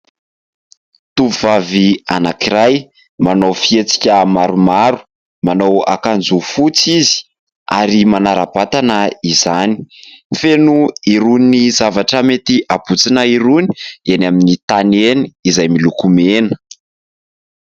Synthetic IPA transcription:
t̪uvuvavia̰nakiɾaj | manowfiet͡si̥kʲəmaɾumaɾu̥ | manowa̰kand͡zufut͡sizi̥ | aɾimanaɾabat̪anəizani̥fenuiɾuninizavaʈ͡ʂəmet̪iʔab̥ut͡sinəiɾuni̥enaminit̪aneniːzajmilukumenə̥

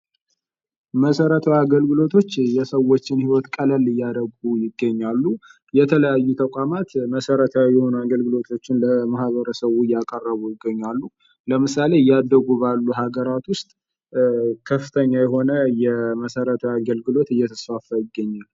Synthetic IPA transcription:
məsəɾət̪ʰəwaɡəlɡɨlo̞t̪ʰo̞t͡ʃːjɛsəwo̞t͡ʃːɪnhiwɔt̪kʼələlɨjːad̪əɡujɪɡːəɲːalːu | jɛt̪ʰələjajːut̪ʰəkʷʼamat̪məsəɾət̪ʰajɛho̞nuaɡəlɡɨlo̞t̪ʰo̞t͡ʃːɪnləmahβəɾəsəwujakʼərːəβujɪɡːəɲːalːu | ləmɨsale̞jːad̪ːəɡuβalːuɦaɡəɾat̪wʊst̪ʼ | kʰəfːɨt̪ʰəɲːajɛɦo̞nəjɛməsəɾət̪ʰəwaɡəlɡɨlo̞t̪ɨjːɛt̪ʰəsfafːəjɪɡːəɲːal

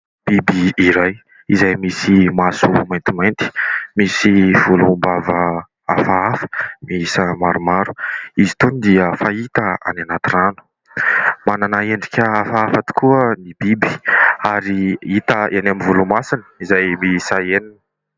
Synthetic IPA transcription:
b̥ibiːɾaj | izajmisimasumajnt̪imajnt̪i̥misiv̥ulumbavə | afaafə̥misamaɾumaɾu̥izit̪unid̪iəfait̪əa̰nanat̪iranu̥ | mananaeɳɖ͡ʐikʲəafaafat̪u̥kuənibibi̥aɾiit̪əʔenamivulumasinə̥izajmisaeninə̥

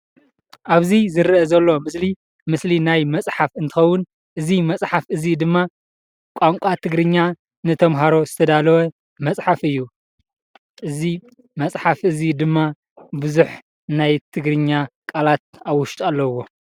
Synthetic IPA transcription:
ʔaβzizɨɾɨɐzɐlːo̞mɨsli | mɨslinajmɐt͡sʼħafɨnt̪ʰɨxɐwːʊn | ʔɨzimɐt͡sʼħafɨzid̪ɨmːa | kʼaŋkʷʼat̪ʰɨɡɾɨɲːa | nɨt̪ʰɐmɦaɾo̞zɨt̪ʰɐd̪alɐwɐ | mɐt͡sʼħafɨjːu | ʔɨzi | mɐt͡sʼħafʔɨzid̪ɨmːa | bɨzuħ | najt̪ʰɨɡɾɨɲːakʼalat̪̚awʊʃt̪ʼalːɐwo̞

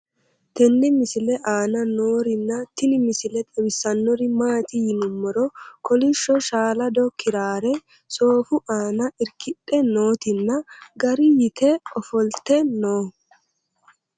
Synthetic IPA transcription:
t̪ɛnːɪmɪsɪlɛʔaːnɐno̞ːɾɪnːɐt̪ɪnɪmɪsɪlɛt̪ʼɛwɪsɐnːɔɾɪmaːt̪ɪjɪnʊmːɔɾɔkɔlɪʃːɔʃaːlɐd̪ɔkʰɪɾaːɾɛ | so̞ːfʊʔaːnɐʔɪɾkɪɗɛnoːt̪ɪnːɐɡɐɾɪjɪt̪ɛɔfɔlt̪ɛnoː

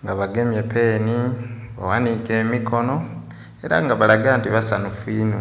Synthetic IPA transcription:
ŋɡaβaɡemjepe̞niβa̰wanikeːmikʰo̞no̞ | e̞ɾa̰ŋɡaβalaɡaːntiβasanufinu

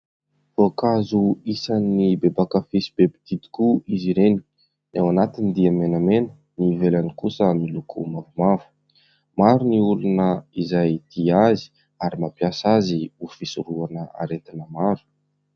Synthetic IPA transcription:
vokazuisanːibebakəfisi̥bepi̥t̪it̪i̥kuiziɾeni̥ | awanat̪inid̪iəmenəmenə̥ | nivelanikusəmilukʰṵmavumavu̥ | maɾuniulunəizajd̪̥iazi̥ | aɾimapjasaziufisuɾuanəa̰ɾet̪inəmaɾu̥

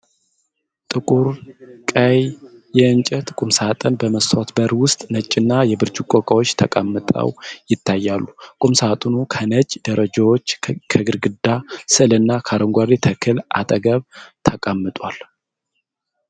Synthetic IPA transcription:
t̪ʼɨkʼuɾkʼəjjɛɨnt͡ʃʼɛt̪kʼumsat̪ʼənbəməsʰot̪bəɾwʊst̪ʼnət͡ʃʼːɪnːajɛbɨɾd͡ʒukʼːokʼəwot͡ʃːt̪ʰəkʼamːɨt̪ʼə̰wjɪt̪ʰːajːalːukʼumsat̪ʼunukʰənət͡ʃʼːd̪əɾəd͡ʒawot͡ʃːkʰəɡɨɾɡɨd̪asɨɨlɨnːakʰaɾəŋɡʷaɾit̪ʰəkʰɨlʔa̰t̪ʼəɡəβt̪ʰəkʼamːɨt̪ʼwal

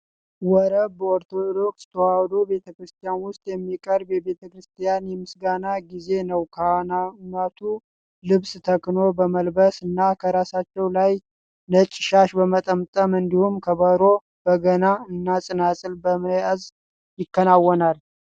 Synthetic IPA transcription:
wɔɾəboɾt̪ʰod̪o̞kst̪ʰəwawd̪obe̞t̪ʰəkɾɨst̪ʰijanwʊst̪ʼjɛmːikʼəɾbjɛβe̞t̪ʰəkɾɨst̪ʰijanjɛmɨsɡanaɡize̞nəwkʰənat̪ʰu | lɨβst̪ʰəkno̞bəməlbəsɨnːakʰəɾasat͡ʃːɛwlaj | nət͡ʃʼːɪʃaʃbəmət̪ʼəmt̪ʼəmɨnd̪ihumkʰəβəɾo̞ | b̥əɡənaɨnːasʼɨnasʼɨlbəməjaz | jɪkːənawːɔnal

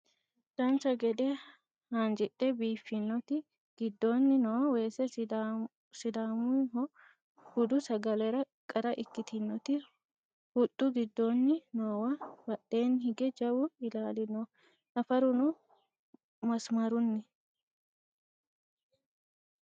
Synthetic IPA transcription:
d̪̥ɐnt͡ʃɐɡɛd̪ɛ | hand͡ʒɪɗːɛbiːfːɪnːɔt̪ɪ | ɡ̥ɪd̪ːonːɪnoːwɐwe̞ːsɛ | sɪd̪aːmʊɪɦɔ | hʊd̪ʊsɐɡɐlɛɾɐ | kʼɐɾɐʔɪkːɪt̪ɪnːɔt̪ɪ | hʊtʼːʊɡɪd̪ːonːɪnoːwɐbɐɗe̞ːnhɪɡɛd͡ʒɐwʊɪlaːlɪnɔ | nɐfɐɾʊnʊ | mɐsmɐɾʊnːɪ

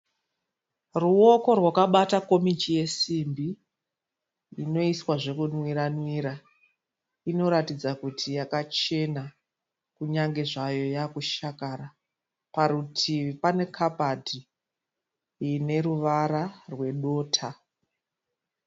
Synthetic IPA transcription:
ruo̞ko̞rwakaɓatako̞mit͡ʃije̞simbi | ino̞iswaʐe̞kunwiɾanwiɾa | ino̞ɾatid͡zakutʰijakat͡ʃe̞na | kuɲaŋɡe̞ʐajo̞jakuʃakaːɾa | paɾutʰiʋipane̞kʰapadʱi | ne̞ɾuʋaɾarwe̞ɗo̞ːtʰa

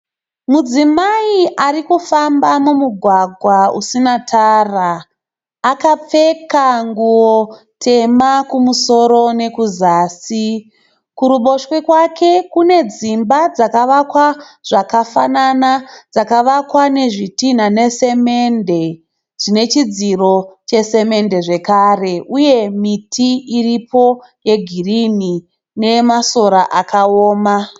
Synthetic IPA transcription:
mud͡zimaiʔaɾikufambamumuɡʱwaɡʱwaṵsinatʰaːraː | kap͡fe̞kaŋɡuwo | tʰe̞makumuso̞ɾo̞ne̞kuzaːsi | kuɾuɓo̞ʃwikwakʰe̞kune̞d͡zimbad͡zakaʋakwaʐ̥akafananad͡zakaʋakwane̞ʐitin̤ane̞se̞me̞nde̞ | ʐine̞t͡ʃid͡ziro̞t͡ʃe̞se̞me̞nde̞ʐe̞kare̞ʔuje̞mitʰiiripo̞ | je̞ɡʱirini | ne̞maso̞ɾaʔakʰaoːma

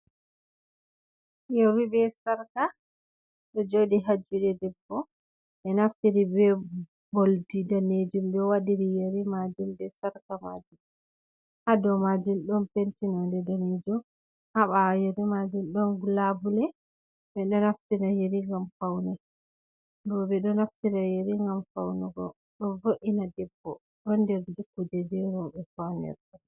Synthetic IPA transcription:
jɔwibɛsaɾka | ɗɔd͡ʒodiɦad͡ʒːuɗɛdɛbːɔ | ɓɛnaftiɾibɛ | boldidaned͡ʒumɗɔwadiɾijeɾimad͡ʒumdɛsaɾkama̰d͡ʒum | hadɔmad͡ʒumɗɔnpentinɔndɛdaned͡ʒɔ | haɓajɛɾimad͡ʒumɗɔnɡulabulɛ | bɛɗɔnaftinajeɾiŋɡamfawnɛ | bɔɓɛɗɔnaftinajeɾiŋɡamfawnɛɡɔ̰ | ɗɔvoʔinadɛbːɔ̰ | ɗɔndɛɾd͡ʒukːud͡ʒɛd͡ʒɛɾɔbɛfawnɛ̰ɾɗɔ

